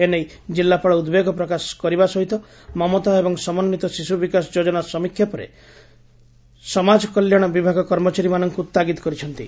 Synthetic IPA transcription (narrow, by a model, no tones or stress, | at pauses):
enej | d͡ʒilːapɔɭɔud̪beɡɔpɾɔkaskɔɾibasɔɦit̪ɔ | mɔmɔt̪aebɔŋsɔmɔnːit̪ɔsisubikasɔd͡ʒod͡ʒɔnasɔmikʰːjɔpɔɾḛ | sɔmad͡ʒɔkɔljɔɽ̃ɔbibʱaɡɔkɔɾmɔt͡ʃaɾimanɔŋkut̪ːaɡit̪ɔ̥kɔɾit͡ʃʰɔnt̪ḭ